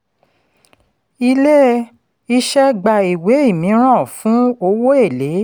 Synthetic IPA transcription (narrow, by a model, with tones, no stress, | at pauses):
i˧le˦ | i˦ʃɛ˦ɡ͡ba˧i˨we˨˦i˦˨mĩ˨˦ɾ̃ã˦˨fũ˨˦o˧wo˦e˦˨le˨˦